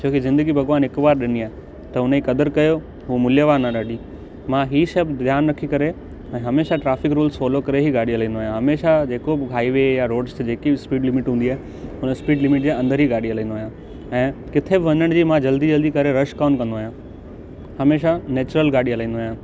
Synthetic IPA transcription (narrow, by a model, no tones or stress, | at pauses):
t͡ɕʰoːkizɪ̃nd̪əɡibʱɐɡʋaːnɦɪkʋaːɾɗɪniaːɦe | t̪ɐʊnəikɐd̪əɾkɐjo | ɦuːmʊljəʋaːɾnaɗaːɖi | mãɦiːʃɐbd̪ʱjaːnɾɐkʰikɐɾe | ɛ̃ːɦɐmeːʃaʈɾaːfɪkɾuːlsfoːlokɐɾeɦiɡaːɽiɦɐlĩːn̆doaːjãɦɐmeːʃad͡ʑeːkobɪɦaːiʋejaɾoːɖst̪d͡ʑeːkispiːɖlɪmɪʈɦũːnd̪iaːɦe | ʊnəspiːɖlɪmɪʈ̚d͡ʑeːɐ̃nd̪əɾɦiɡaːɽiɦɐlãːnd̪oaːjã | ɛ̃ːkɪt̪ʰebɪʋɐnəɽ̃d͡ʑiːmãd͡ʑɐld̪id͡ʑɐld̪ikɐɾeɾɐʃkaːnkɐ̃nd̪oaːjã | hɐmeːʃaneːt͡ɕʊɾəlɡaːɽiɦɐlãːnd̪oaːjãː